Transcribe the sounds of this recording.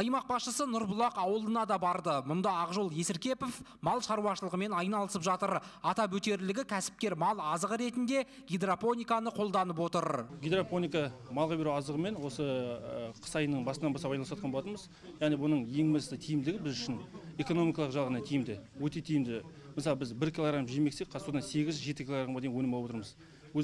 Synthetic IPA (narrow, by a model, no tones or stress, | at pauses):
ɑjmɑq̚bɑsʃəsənʊɾbʊlˠɑqɑwəlˠənɑd̪ɑbɑɾd̪əmʊnd̪ɑːʁʒo̞lˠje̞sɪɾkʲe̞po̞fmɑlˠʃɑɾuɑʃəlˠəʁəme̞nɑjnɑlˠəsəpʒɑt̪əɾɑt̪ɑpɵt̪e̞ɾlɪɡʲɪkʲʰæsɪ̥p̚kʲe̞ɾmɑlˠɑzəʁəɾe̞t̪ɪnd̪e̞ | ɡʲed̪rapo̞nʲijkɑnəqʰo̞lˠd̪ɑnəp̬wo̞t̪əɾɡʲed̪raponijkɑmɑlˠʁɑbe̞ɾuɑzd̪əʁəme̞nwo̞səqʰə̥sɑjənəɴbɑsənɑnbɑsɑpɑjnlˠswɑt̪̚qɑnboɑt̪ənməz | jɑʁnijbʊnəɴje̞ŋmɪt̪ɪt̪ʰijɪmd̪ɪɡʲɪbɪzʏʃɪne̞ko̞no̞mijkɑlˠəqʒɑlˠʁənɑt̪ʰijɪmd̪ɪwɵt̪e̞t̪ʰijɪmd̪ɪ | məsɑlˠəbɪzbɪɾkʲʰilˠoɡɾampʒijmeksek̚qʰɑsod̪ɑnse̞ɡʲɪzʒe̞t̪ɪkʲiloɾamɑd̪ejnwɵnɪmɑlˠwot̪əɾməz | wɵz